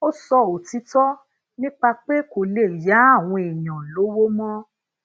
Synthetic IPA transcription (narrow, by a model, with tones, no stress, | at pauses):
o˦sɔ˧o˨ti˧˦tɔ˦ | nĩ˦k͡pa˧k͡pe˦ko˨le˨ja˨˦a˦˨w̃ɔ̃˧e˨j̃ã˨lo˨˦wo˦mɔ̃˦